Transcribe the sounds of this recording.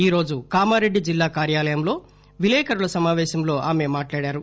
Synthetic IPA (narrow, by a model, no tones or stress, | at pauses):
iːɾo̞ːd͡ʒukaːmaːɾeɖːid͡ʒilːaːkaːɾjaːlɐjɐmlo̞ː | ʋilɛːkʰɐɾulɐsɐmaːʋɛːʃɐmlo̞ːʔaːme̞ːmaːʈlaːɽaːɾu